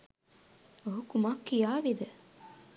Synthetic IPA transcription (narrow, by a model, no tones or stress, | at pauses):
oɦukumakːijaːʋid̪ə